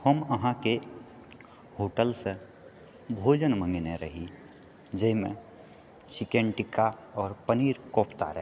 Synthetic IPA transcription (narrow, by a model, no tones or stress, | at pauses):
həməɦãke | hoːʈəlsə | bʱoːd͡ʒənmə̃ŋɡneɾə̰ɦi | d͡ʒəɦmḛ̃ | t͡ʃɪkeɳʈɪkaɔːɾpəniːɾkoːpʰt̪a̰ɾə̰ɦ